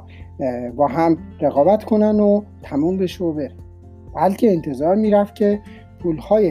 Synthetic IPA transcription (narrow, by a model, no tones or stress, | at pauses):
bɒːɦæmɾeɣɒːbæt̪ʰkʰo̞nænd̪ot̪ʰæmuːmbeʃobeɾæn | b̥ælcʰe̞ːnt̪ʰe̞zɒːɾmiːɾæft̪̚cʰe̞ | pʰulhɒːje